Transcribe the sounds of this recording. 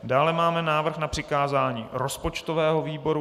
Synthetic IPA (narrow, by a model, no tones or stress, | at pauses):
daːlɛmaːmɛnaːvr̩xnapr̝̥ɪkaːzaːɲiːɾo̞spo̞t͡ʃt̪ovɛːɦo̞viːbo̞ɾu